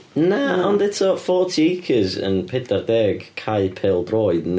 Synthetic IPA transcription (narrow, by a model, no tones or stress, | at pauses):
naɔndɛtʰɔfɔːtʰiɪkʰɪzə̰npʰɛdardɛːɡ̥kʰajpʰɛlˠdrɔːjdn